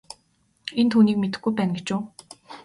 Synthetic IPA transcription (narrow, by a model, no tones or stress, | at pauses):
ent̪ʰuːniːkmet̪ɘ̆ɡujpæːnɡet͡ɕʊː